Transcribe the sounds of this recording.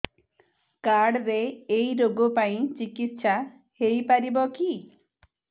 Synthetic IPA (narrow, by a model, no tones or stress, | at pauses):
kaɽɾeːjɾoɡopaĩt͡ʃikit̪ʃa | hejpaɾibɔki